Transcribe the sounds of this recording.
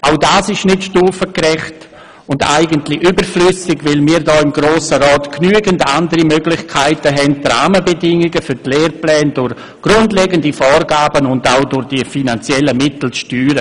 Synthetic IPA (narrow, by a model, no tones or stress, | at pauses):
ʔaʊdaːsɪʃnɪtʃtuːfəkrɛχt | ʊnda̰ɪɡəntlɪʔybəɾflʏsɪɡvɪlmiːɾdɔːɪmɡɾoːsəɾɔːtknyːəɡəndandəɾimøɡlɪχkʰaɪtəɦɛntra̰ːməbɛdɪŋɪɡəfyɾtleːɾplɛːndʊɾ | ɡ̥rʊndlɛɡəndifɔːrɡaːbənʊndaʊdʊʁd̥ifinant͡sjɛləmɪtl̩t͡sʃtyːɾə